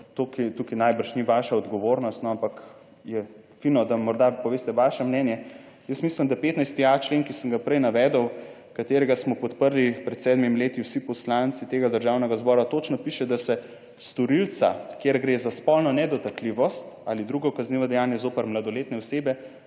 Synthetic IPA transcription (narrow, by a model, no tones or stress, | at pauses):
t̪okit̪ukinajbəɾʃniʋaʃaɔd̪ɡɔʋoɾnɔst̪nɔampak | jɛ | finɔd̪amɔɾd̪apɔʋeːst̪ɛʋaʃɛmnɛːnjɛ | jəsmislimd̪apeːt̪najst̪ijat͡ʃleːŋkisəŋɡapɾɛjnaʋɛːd̪ɔw | kat̪eɾɛɡasmɔpɔt̪pəɾlipɾɛt̪sɛd̪mimleːt̪iwsipɔslant̪sit̪eɡad̪əɾʒawnɛɡazbɔːɾat̪ot͡ʃnɔpiːʃɛd̪asɛ | st̪ɔɾilt̪sa̰kjeɾɡɾeːzaspɔlnɔnɛd̪ɔt̪akliʋɔst̪alid̪ɾuɡɔkazniʋɔd̪ɛjaːnjɛzoːpəɾmlad̪ɔleːt̪nɛɔseːbɛ